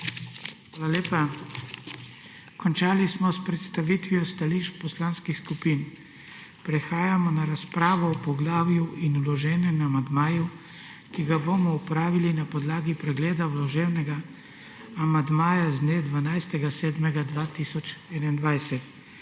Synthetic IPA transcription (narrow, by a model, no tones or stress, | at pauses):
xʋaːlaleːpa | kɔnt͡ʃaːlismɔspɾɛt̪st̪aʋiːt̪ʋiɔst̪aliʃt̪pɔslaːnskixskupiːn | pɾɛxaːjamɔnaɾaspɾaːʋɔːpɔɡlaːwjuʔinulɔʒɛːnɛmamand̪maːju | kiɡabomɔupɾaːʋilinapɔd̪laːɡipɾɛɡleːd̪awlɔʒeːwnɛɡaː | mand̪maːjazd̪njed̪ʋanajst̪ɛɡasɛːd̪mɛɡad̪ʋaːt̪isɔt͡ʃɛnaind̪ʋajsɛt̪